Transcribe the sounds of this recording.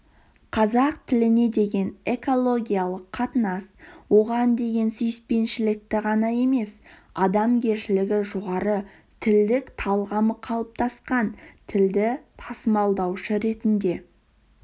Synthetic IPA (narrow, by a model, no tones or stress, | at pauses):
qʰɑzɑqt̪ʰɪlɪne̞d̪e̞ɡʲe̞ne̞ko̞lˠo̞ɡʲijalˠəqʰːɑt̪ənɑswo̞ʁɑnd̪e̞ɡʲe̞nsʏjɪspe̞nʃɪlɪk̚t̪ɪʁɑnɑje̞me̞sɑd̪ɑmkʲʰe̞ɾʃɪlɪɡʲɪʒoʁɑɾə | t̪ʰɪld̪ɪkt̪ʰɑlˠʁɑməqʰɑlˠəp̚t̪ʰɑsqɑnt̪ʰɪld̪ɪt̪ʰɑsəmɑlˠd̪ɑwʃəɾe̞t̪ɪnd̪e̞